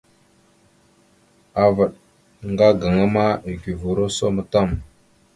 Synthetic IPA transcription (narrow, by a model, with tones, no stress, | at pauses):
a˨və˨ɗ | ŋɡa˦ɡa˨ŋa˦ma˦i˨ɡi˨vu˨ɾo˦so˦mə˨ta˦˨m